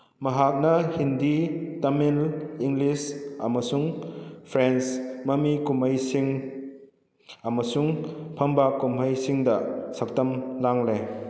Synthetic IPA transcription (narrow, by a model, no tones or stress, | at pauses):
mɐɦak̚nɐhinditɐmiliŋɡlisɐmɐsuŋpʰɾensmɐmikumɐjsiŋ | ɐmɐsuŋpʰɐmbakumɦajsiŋdɐsɐk̚tɐmlaŋle